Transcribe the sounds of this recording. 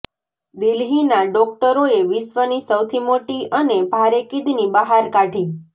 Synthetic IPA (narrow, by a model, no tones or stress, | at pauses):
d̪ɪlɦinaɖɔk̚ʈəɾoeʋɪsʋənisəwt̪ʰimoʈiʔənebʱaɾekid̪nibəɦaɾkaʈʰi